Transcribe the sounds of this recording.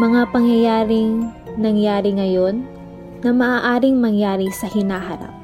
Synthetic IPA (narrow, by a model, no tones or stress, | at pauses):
mɐŋapɐŋjɐjaːɾɪŋ | nɐŋjaːɾɪŋɐjo̞nː | ɐmɐʔaːʔaːɾɪŋmɐŋjaːɾɪsɐhɪnaːɦɐɾa̰p̚